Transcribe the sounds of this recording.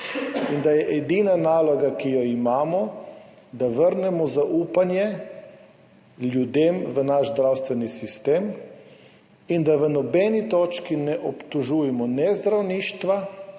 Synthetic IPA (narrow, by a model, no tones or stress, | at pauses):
ind̪ajɛʔɛd̪iːnanaːlɔɡakijɔimaːmɔ | d̪aʋəɾnɛmɔzaʔuːpanjɛ | ljud̪eːmʋənaʃzd̪ɾawst̪ʋɛnisist̪eːm | ind̪aʋənɔbɛːnit̪oːt͡ʃkinɛʔɔpt̪ɔʒujɛmɔnɛzd̪ɾawniːʃt̪ʋa